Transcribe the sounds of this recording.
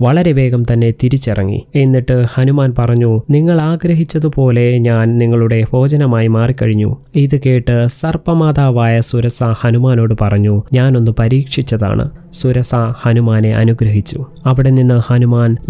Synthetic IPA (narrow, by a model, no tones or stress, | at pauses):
ʋɐɭɐɾe̞ʋe̞ːɡɐmt̪ɐnːe̞t̪iɾit͡ɕːirɐ̰ŋːḭe̞nːiʈːɨhɐnumaːnpɐrɐɲːuniŋːɐɭaːɡɾɐɦit͡ɕːɐðɨpo̞ːle̞ɲaːnniŋːɐɭuɽe̞ho̞ːd͡ʑɐnɐmaːjimaːrikːɐɻiɲːṵiðɨke̞ːʈːɨsɐrpɐmaːd̪aːʋaːjɐsuɾɐsahɐnumaːno̞ːɽɨpɐrɐɲːuɲaːno̞nːɨpɐɾiːkʂit͡ɕːɐða̰ːɳɨ̰suɾɐsahɐnumaːne̞ʔɐ̰nuɡɾɐɦit͡ɕːuɐʋiɽe̞ninːɨhɐnumaːn